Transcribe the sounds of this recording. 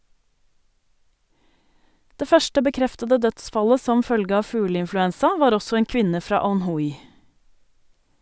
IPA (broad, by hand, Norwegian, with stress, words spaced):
ˈdeː ˈfœʃʈə bəˈkɾɛftədə ˈdœtˌsfɑlə ˈsɔm ˈfœlɡə ˈɑː ˈfʉːləɪnflʉˌɛnsɑ ˈʋɑːɾ ˈɔsɔ ˈeːŋ ˈkʋɪnə ˈfɾɑː ɑnˈhʊj